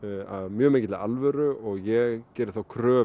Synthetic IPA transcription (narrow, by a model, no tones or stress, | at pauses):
aðmjœːmeːcɪt̪ɪa̰lvɛɾʏɔɣjɛɣcɛːɾɪθawkʰɾœː